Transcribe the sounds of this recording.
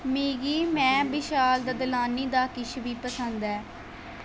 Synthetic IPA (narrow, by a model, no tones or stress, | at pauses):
meːɡiːmɛ̃ːbɪʃaːld̪əd̪laːniːd̪aːkɪʃʋiːpəsənd̪ɛː